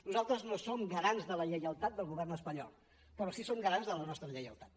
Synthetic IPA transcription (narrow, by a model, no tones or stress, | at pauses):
nuzalˠt̪ɾəznosomɡəɾanzðələʎəjəlˠt̪at̪̚d̪əlˠɣuβ̞ɛrnəspəɲɔ̰lˠ | pəɾɔsisomɡəɾanzðələnɔst̪ɾəʎəjəlˠt̪at̪